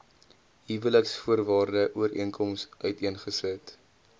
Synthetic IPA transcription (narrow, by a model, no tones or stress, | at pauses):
ɦivələksfuərvɑːrdəʔuəɾḭənkɔmsœɥtiənχəsət